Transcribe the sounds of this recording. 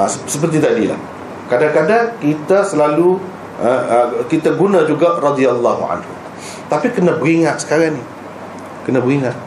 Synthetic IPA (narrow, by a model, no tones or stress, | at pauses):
asəpərt̪̬it̪adila̰h | kadaŋkadaŋkit̪asəlalu | əəkit̪aɡunãd͡ʒuɡaʔrɑd̪ialːaɦṵʕa̰nhṵ | t̪apikənãbəɣiŋaʔ̪̚sə̥kaɾaŋnih | kənãbəɣiŋat̪̚